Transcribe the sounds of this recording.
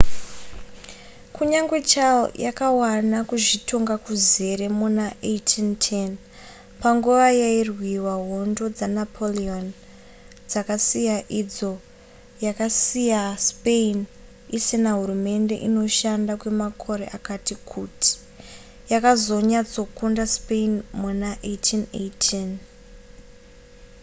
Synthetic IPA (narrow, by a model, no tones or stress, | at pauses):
kuɲaŋɡwe̞t͡ʃao̰jakawanakuʐitʰo̞ŋɡakuze̞ɾe̞munaʔejtʰintʰen | paŋɡuʋajairwiwaɦo̞ndo̞d͡zanapʰolion | d͡zakasijaʔid͡zo̞ | jakasijaspein | isinaɦuɾume̞nde̞̰ʔino̞ʃandakwe̞makʰo̞ɾe̞̰ʔakatikʰutʰi̥ | jakazo̞ɲat͡so̞kundaspeinmunaʔetʰinḛtʰin